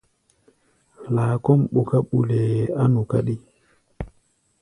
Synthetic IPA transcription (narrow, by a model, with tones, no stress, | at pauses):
laː˨kɔ˦mɓu˨ka˦ɓu˨le˨a˦nu˨ka˦ɗi˦